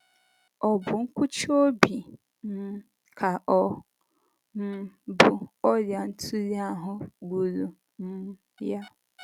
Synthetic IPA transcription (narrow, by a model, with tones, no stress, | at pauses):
ɔ˨bʊ˨ŋ̩˦kʷʊ˦t͡ʃo˦bi˨ | m̩˦ | kʰa˨ʔɔ˨ | m̩˨bʊ˨ɔ˦lja˨n̩˦tʰu˦li˦a˦ɦʊ˦ɡ͡bu˨lu˨ | m̩˦ | ja˦